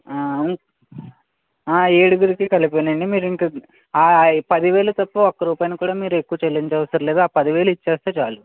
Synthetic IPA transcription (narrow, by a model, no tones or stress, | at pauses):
aː | aːeːɽuɡuɾikikɐlipeːnɐɳɖimiːɾiŋkɐ | aːpɐd̪iʋeːlɐt̪ɐpːɐɔkːɐɾuːpaːjnɐkuːɽaːmiːɾue̞kːuʋɐt͡ʃelːiɲt͡ʃɐːʋɐsɐɾle̞ːd̪aːpɐd̪iʋeːlɐit͡ʃːeːst̪eːt͡ʃaːlu